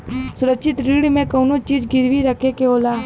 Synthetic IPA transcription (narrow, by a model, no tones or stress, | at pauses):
sʊɾəkʃʰɪt̪ɾiːɽmẽkɐːnot͡ʃiːd͡ʒɡɪɾʋiɾɐkʰekeoːlaː